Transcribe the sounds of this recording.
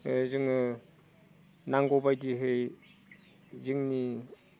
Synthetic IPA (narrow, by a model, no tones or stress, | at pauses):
ezɯŋɯ | naŋɡɔbajdiɦɯj | ziŋni